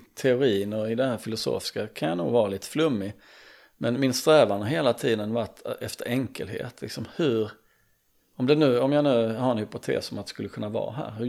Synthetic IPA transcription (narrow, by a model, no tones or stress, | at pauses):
t̪ʰɛʊɾiːnɔɾɪd̪ɛɦæːɾfɪlʊso̰ːfɪ̥skakʰanjanṵːɡvɑːɾaliːt̪ə̥flɵmːɪ | mɛnmɪnst̪ɾɛːvanəɦeːlat̪ʰiːd̪ənvaʈːɛ̰ft̪əɾɛŋkə̰lɦḛːt̪ʰlɪ̰ksɔmhɵɾ | ɔmd̪ɛnʉ̟ːɔmjanʉ̟ːɦaɾɛnhʏpʊt̪ʰḛːsɔmat̪ɛskɵlːəkʰɵnːavɑ̰ːɦæ̰ːɾhɵ